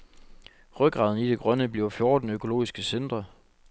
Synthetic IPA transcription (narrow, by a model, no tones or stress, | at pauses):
ʁœɡ̥ʁɑ̈ːð̞ˠn̩id̥e̝ɡ̥ʁɶnəb̥liɐʊfjɔ̝ːd̥n̩økʰo̝lo̝̰ːisɡ̥əsend̥ʁɐ